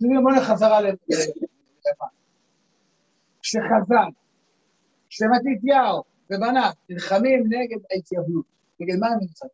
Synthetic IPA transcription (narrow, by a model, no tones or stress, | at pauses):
imonaχazaʁale | lava | ʃeχazal | ʃemat̪it̪̬jaw | vebananilχamimneɡed̪ejtjaɦut̪ | neɡed̪manilχam